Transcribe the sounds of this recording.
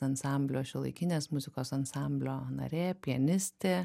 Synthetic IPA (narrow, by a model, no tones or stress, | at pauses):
ɐnsɑˑmʲbʲlʲoːʃʲɪlˠɐ̰ɪkʲɪnʲeːsmʊzʲɪkoːsɐnsɑˑmʲbʲlʲoːnɐ̰ɾʲeːpʲiɛnʲɪsʲt̪ʲeː